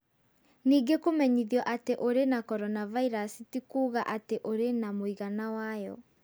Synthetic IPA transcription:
niːɡekomɛɲiðjɔʔateʔoɾenakɔɾɔnavaiɾasitikuːɣaʔateʔoɾenamoiɣanawajɔ̰

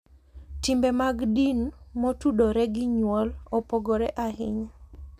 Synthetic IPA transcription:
timbemaɡdinmotudoɾɛɡɪɲwɔlɔpɔɡɔɾɛʔahɪɲ

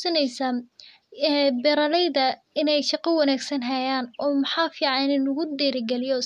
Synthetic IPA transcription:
sɐnɛjsa | bɛɾɐlɛjðɐ | ɪnɛjʃɑqɑwɑnaːɡsɐnɦɐjaːnɔːmɐħɑːfiːʕɑnɪnɪnʊɣʊd̪ɛːɾɪɡɛlɪjɔ

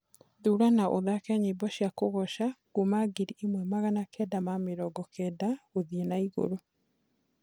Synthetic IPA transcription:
ðuɾanaʔoðakɛɲebɔɕjakoɣɔʃaɡumaɡeɾiʔemwɛmaɣanakɛdamameɾɔɡɔkʰɛdaoðiɛnaiɣo̰ɾo

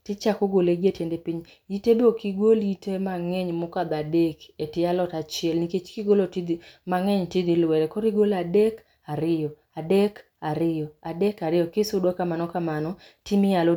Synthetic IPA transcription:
tɪt͡ʃakoɡoleɡetjendepiɲ | itedokiɡolitemaŋɛɲmʊkad̪adeketɪalɔtat͡ʃɪɛlniket͡ʃkiɡolotidmaŋɛɲtɪd̪ilwɛɾɛkɔɾiɡoladek | aɾɪjɔ | adek | aɾɪjɔadekaɾɪjɔkɪsʊdwakamanɔkamanɔ | timɪjalɔ

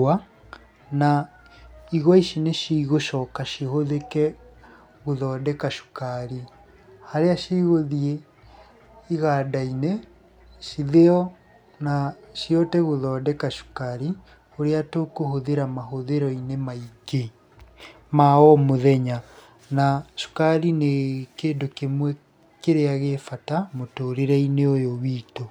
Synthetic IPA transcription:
a | na | iɣwɔiʃineʃiiɣoʃɔkaʃihoðekɛ | ɣoðɔːdɛkaʃu̥kaɾi | haɾeaʃiɣoðie | iɣaːdaine | ʃiðeɔ | naʃiɔtɛɣoðɔːdɛkaʃu̥kaɾi | oɾeatokohoðeɾamaɦoðeɾɔinemaike | maɔmoðɛɲa | naʃu̥kaɾinekeːndokemwɛ | keɾeaɣefatamotoːɾeɾɛineojowiːto

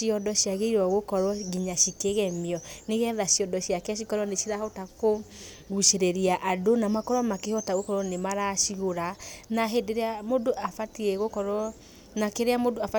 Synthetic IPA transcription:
iɔdɔɕjaɣeiɾwɔɣokɔɾwɔɡiɲaʃikeɣɛmiɔneɣɛðaɕiɔdɔɕiakɛaʃ̬ikɔɾɔneʃiɾahɔtako | ɣuʃeɾeɾiaʔadonamakɔɾwɔmakehɔtaɣokɔɾɔnemaɾaʃiɣoɾanaɦedeɾeamodoʔafatiɛɣokɔɾɔ | nakeɾeamodoafa

